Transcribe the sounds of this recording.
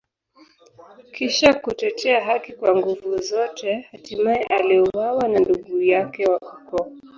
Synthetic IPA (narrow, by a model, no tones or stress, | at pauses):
kiʃakutɛtʰɛaɦakikwaŋɡuvuzɔtʰɛhatimaɛʔaliɔwawananduɡujakɛwaʔukɔ